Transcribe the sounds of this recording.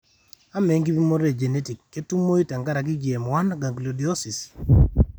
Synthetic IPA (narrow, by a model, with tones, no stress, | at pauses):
a˦me˨˦ŋɡi˦bi˦mo˦ɾe˦˨d͡ʒe˨ne˦ti˨kːe˦tu˦mːo˦i˦ta˨ŋɡa˦ɾa˨k̬ɪ˦ɡje˨mwa˦naɡa˨ŋɡlo˨di˨ɔ˦si˨s